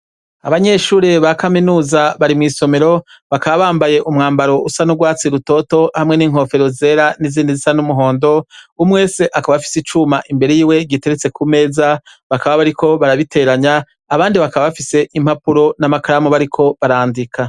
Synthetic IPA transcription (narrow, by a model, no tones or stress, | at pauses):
aβaɲe̞ʃuːɾeβakaminuːzaβaɾimŋiːso̞me̞ɾo̞ | βakaβaβaːmbaje̞ʔumŋaːmbaɾo̞ʔusanuɡwaːt͡siɾuto̞to̞hamŋe̞niːŋ̥ho̞ːfe̞ɾo̞ze̞ːɾaniziːndizisanumuɦo̞ːndo̞umwe̞ːse̞ʔakaβaβfi̥sit͡ʃumaʔimbe̞ɾe̞jiːwe̞ɡite̞ɾet͡se̞kʰume̞ːza | βakaβaβaɾiko̞βaɾaβitʰe̞ɾaɲaː | βaːndiβakaβaβafise̞ʔim̥hapuɾo̞namakaɾamuβaɾikʰo̞βaɾaːndikʰa